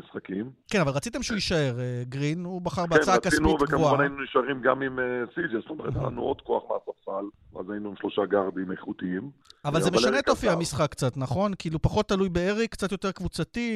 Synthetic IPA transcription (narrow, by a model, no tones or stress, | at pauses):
isχakimkenavalʁat͡sit̪̬e̞mʃeuiʃae̞ʁeɡʁinubaχaʁbeaaakasiniveɡkamvuaanainuniʃaʁimɡamimesid͡ʒesot̪omeʁt̪a̰la̰nṵod̪ko̞aχmeasaʁfal | va̰zajinuimʃlo̞ʃaɡaʁd̪imeχut̪iimavalzemeʃanneːt̪ofiamisχakːt͡sat̪naχo̞nkiːlupaχo̞t̪ːalujbeeʁikːt͡sat̪jo̞t̪e̞ʁkvut͡sat̪i